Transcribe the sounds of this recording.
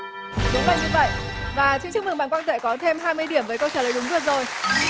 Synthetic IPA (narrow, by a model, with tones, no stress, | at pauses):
ɗi˨˦və̰˧˨jɲɨ˧və̰˧˨jvaː˨˩t͡ɕŋt͡ɕɨ˧˦˥ŋmɨ˨˩ɓaː˧˨nkwaː˧nt̪ḛ˧˨˩kɔ˨˦t̪ʰe˧mɦaː˧jmɨ˧əjɗi˧˩əmvəː˨˦jkə˧wt͡ɕəː˧˩ə˨˦jɗʊ˨˦ŋ͡mɗɨ˧˩ək̚zo˨˩j